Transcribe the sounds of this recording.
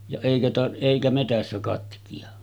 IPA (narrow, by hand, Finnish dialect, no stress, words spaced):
jɑ eˑikæ tɑ eˑikæ metæsːæ kɑtkiɑ